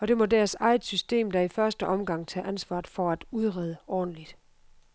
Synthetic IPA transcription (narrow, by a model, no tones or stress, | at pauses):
ɒ̽d̥e̝mɒ̽dæːɐsɑ̈ɪð̩ˠsysd̥e̝̰ːmd̥ɑifɶɐsd̥əʔɒ̽mɡ̥ɑ̈ŋ̰t͡sʰɛ̰ːʔænsʋɑ̰̥̈ːfɒ̽æd̥uð̞ˠʁɛð̞ˠəɒ̰ːn̩lid̥